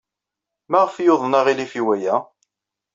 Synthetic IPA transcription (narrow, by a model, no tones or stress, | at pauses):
mæʁəfjoðˤnɑʁilifiwæjæ